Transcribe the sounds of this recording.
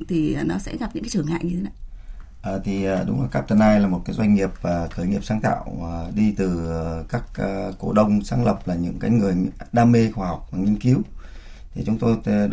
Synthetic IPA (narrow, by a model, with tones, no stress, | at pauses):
t̪ʰi˨˩˨nɔ˨˦sɛ̰˧˥ɣa˨˩p̚ɲɨ̰˧˥ŋkːt͡ɕɨ˧˩əŋa̰ː˧˨ɲɨ˧e˨˦na˧˩ | ʔəː˨˩t̪ʰi˨˩ʔəː˨˩ɗʊ̰˨˦ŋ͡mlaː˨˩kaː˦˥p̚t̪ə˨˧˩naː˧jlaː˨˩mo˨˩t̚kaː˨˦zwa˧jŋ̟ŋi˨˩əp̚əː˨˩t̪ʰəː˧˩jŋi˨˩əp̚saː˨˦ŋt̪ʰa̰ː˧˨wɗi˧t̪ɨ˨˩˨kaː˦˥k̚ːkːo˧˩ɗə˧wŋ͡msaː˨˦ŋlə˨˩p̚laː˨˩ɲɨ̰˧˥ŋkaː˨˦jŋɨ˨˩əjɗaː˧me˧xaː˧˩ha˨˩wk͡p̚maː˨˩ŋi˧ənki˨˦əw | t̪ʰi˨˩t͡ɕʊ˨˦ŋ͡mt̪o˧j